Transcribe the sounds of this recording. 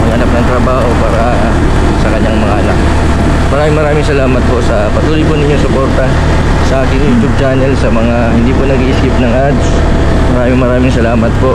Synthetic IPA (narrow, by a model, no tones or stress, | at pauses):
mɐɡʔɐnap̚nɐŋt̪ɾɐbaːho̞paːɾɐ | sɐkɐɲːaŋmɐŋaʔɐnak̚ | mɐɾaːmɪŋmɐɾaːmɪŋsɐlaːmɐt̪̚po̞ʔsɐpɐt̪uːlojponɪɲjoŋsopo̞ɾt̪ɐ | sɐʔaːkɪŋjuːt̪jub̚t͡ʃanɛlsɐmɐŋahɪnd̪iːponɐɡiːʔsɪp̚nɐŋʔad̪s | mɐɾaːmɪŋmɐɾaːmɪŋsɐlaːmɐt̪̚po̞ʔ